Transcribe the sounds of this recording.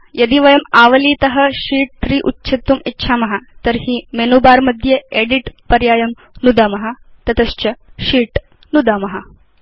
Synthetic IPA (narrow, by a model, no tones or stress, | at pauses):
jɐd̪iʋɐjɐmaʋɐliːt̪ɐɦɐɕiːʈ̚t̪ɾiːʔutːɕʰit̪ːumitːɕʰamɐɦat̪əɾɦiːmenuːbaːɾmɐd̪ʱjeeɽiʈpɐɾjaːjɐm | nud̪amɐɦat̪ɐt̪ɐst͡ɕɐɕiːʈ | nud̪amɐɦa